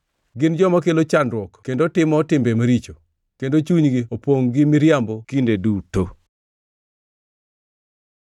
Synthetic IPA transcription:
ɡɪnd͡ʒɔmakelot͡ʃandɾwɔkkendotɪmɔtɪmbemaɾit͡ʃo | kendot͡ʃuɲɡiopwoŋɡɪmiɾjambokindeduto

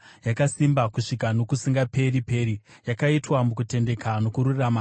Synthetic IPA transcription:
jakasimbakuʂikano̞kusiŋɡape̞ɾipe̞ːɾijakaitwamukute̞nde̞kano̞kuɾurrama

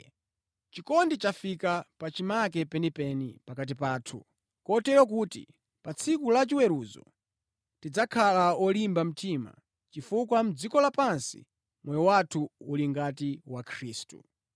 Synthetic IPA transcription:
t͡ʃikɔndit͡ʃafikapat͡ʃimakɛpɛnipɛnipakat̬ipaːtʰu | kɔtɛjɔk̬uːtḭ | pat͡sʰikulat͡ʃiwɛɾuzɔ̰ | tid͡zakʰalaɔlimbam̩tima̰ | t͡ʃifukwam̩d͡zikɔlapansḭ | mwɛjɔwatʰuuliŋɡatiwakʰɾiːstṵ

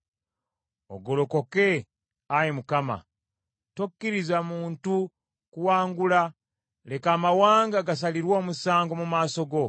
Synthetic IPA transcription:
o̰ɡo̞lo̞ko̞ke̞ | ajimukama̰ | to̞kːiɾizamuːntu | kuwaːŋɡula | le̞kaːmawaːŋɡaɡas̬aliɾwo̞ːmusaːŋɡo̞mumaːso̞ɡo̞

